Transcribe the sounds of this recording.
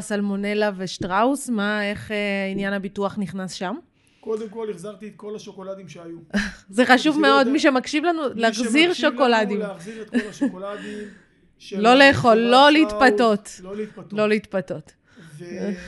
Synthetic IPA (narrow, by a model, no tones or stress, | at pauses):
salmone̞lave̞ʃtʁausmae̞χeinjanhabituaχniχnasʃam | kodemkoliχzaʁt̪iet̪̚kolaʃokolad̪imʃeajuzeχaʃuvmeo̞d̪miʃ̬emakʃivlanuleaχziʁʃoko̞ladimziʁ̚kaim | lo̞leːχo̞lːo̞leit̪pato̞tlo̞leit̪pato̞t